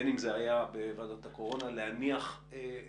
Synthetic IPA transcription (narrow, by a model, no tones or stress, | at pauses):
niŋɡzeajabevadotako̞ʁo̞naleaniaχ | e